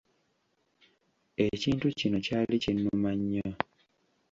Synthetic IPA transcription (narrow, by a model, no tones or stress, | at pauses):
eciːntucino̞caːlicinːumaɲːa